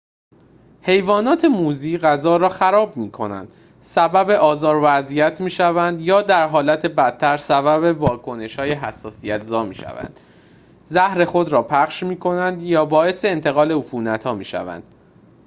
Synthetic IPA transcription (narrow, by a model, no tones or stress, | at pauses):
he̞jvɒːnɒːt̪ʰe̞muːziːɣæzɒːɾɒːxæɾɒːbmiːkʰo̞næ̰nd̪̥ | sæbæbe̞ʔɒːzɒːɾvæzijæt̪ʰmiːʃævænd̪jɒːd̪æɾɦɒːlæt̪ʰe̞bæt̪ʰːæɾsæbæβe̞vɒːkʰo̞ne̞ʃhɒːjeɦæsːɒːsijæt̪zɒːmiːʃæ̰væ̰nd̪̥ | zæhɾe̞xo̞d̪ɾɒːpʰæχʃmiːkʰo̞nænd̪jɒːbɒːe̞se̞ːnt̪ʰe̞ɣɒːle̞ufuːnæt̪ʰhɒːmiːʃæ̰væ̰nd̪̥